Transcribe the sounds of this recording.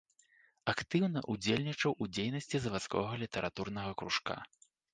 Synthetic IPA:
akt̪ɨwnɐʔud͡zʲelʲnʲit͡ʂɐwʔud͡zʲejnɐsʲt͡sʲizɐvat̪skɔ̰ɣɐlʲit̪ɛɾʔat̪urnɐɣɐkɾuʂka̰

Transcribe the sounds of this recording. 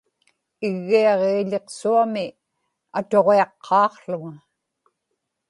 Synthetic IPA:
ɪɣːiɑʁeːʎe̞qsuamɪ | at̪o̞ʁeɑqʰːɑːqɬʊŋa

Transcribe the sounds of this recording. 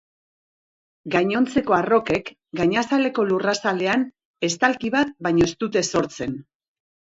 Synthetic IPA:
ɡajɲo̞nt͡se̞ko̞aro̞ke̞k | ɡajɲasale̞ko̞lurasale̞an | e̞st̪alkiβat̪̚bajɲo̞est̪ut̪e̞so̞ɾt͡se̞n

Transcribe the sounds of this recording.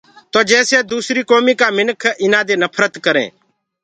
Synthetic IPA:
t̪oːd͡ʒɛːseːd̪uːsɾiːkoːmiːkaːmɪnkʰɪnãːd̪eːnəpʰɾət̪kəɾḛ̃ː

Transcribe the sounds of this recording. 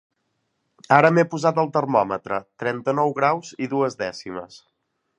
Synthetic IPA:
aɾəmepuzat̪əlˠt̪ərmɔmət̪ɾət̪ɾɛnt̪ənɔwɣɾawziðuəzðɛsimə̰s

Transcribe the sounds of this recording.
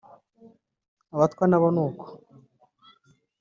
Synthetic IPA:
aβat̪kwanaβonuːko̥

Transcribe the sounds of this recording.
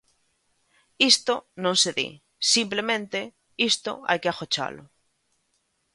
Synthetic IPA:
ist̪onõnseðḭ | simplemẽnt̪e | ist̪o̰a̰jkeaxot͡ʃa̰lo̰

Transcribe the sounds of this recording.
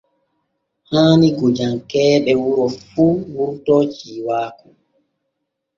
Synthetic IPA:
haːniɡod͡ʒaŋkɛːɓɛwuɾɔfuːwuɾtɔt͡ʃiːwaːku

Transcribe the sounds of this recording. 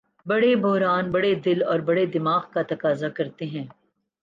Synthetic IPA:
bɐɽebɔɦɾaːnbɐɽed̪ɪlɔːɾbɐɽed̪ɪmaːɣkat̪ɐkaːzakɐɾt̪eɦɛ̃ː

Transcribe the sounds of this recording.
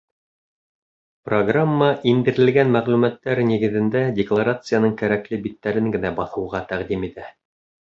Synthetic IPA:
proɡramːəʔind̪ɘ̆ɾɘ̆lɡænmæʁlʉmæt̪ːæɾniɡɘ̆ðɘ̆nd̪ædʲɪklˠaɾat̪sɨjanɤɴkæɾæklɘbit̪ːæɾɘŋɡɘ̆næbɑθɤ̆wʁɑt̪æʁd̪imit̪æ

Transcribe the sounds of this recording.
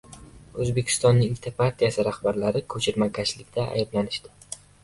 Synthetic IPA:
ɵzbe̞kʲʰɪ̥st̪ɒnːɪŋɪt̪ʰapʰaɾt̪ʰijasɪɾahbaɾlaɾɪkʰɵt͡ʃʰɪɾmakʰʲaʃlɪkʲd̪ʰaa̰jɪblanɪʃd̪ɪ̥

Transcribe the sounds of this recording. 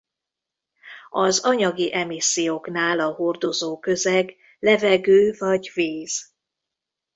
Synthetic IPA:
ɒzɒɲɒɡiʔɛmisːijoːknaːlɒɦo̞rd̪o̞zoːkø̞zɛɡ | lɛvɛɡøːvɒɟveːz̥

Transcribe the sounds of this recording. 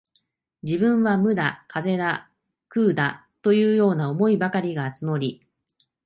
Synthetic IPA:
d͡ʑibɯ̟̃ɰ̃βamɯ̟d̪akʰaze̞d̪a | kɯ̟ːd̪a | t̪o̞jɯ̟ːjo̞ːnao̞mo̞ibakaɾʲiɡaːt͡sɨmo̞ɾʲi

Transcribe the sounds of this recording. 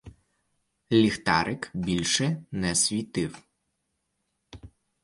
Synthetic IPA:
lʲixt̪ɑɾʔɪkbʲilʲʃɛnɛsʲʋʲit̪ɪw

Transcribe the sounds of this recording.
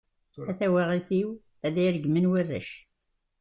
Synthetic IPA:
æθæwæʁiθiw | æðæjɾəɡmənwirːæ̰ʃ

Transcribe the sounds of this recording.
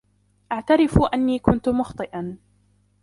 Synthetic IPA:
ʔaʕt̪aɾɪfʔanːiːkʊnt̪ʊmʊxt̪ˤɨʔɑn

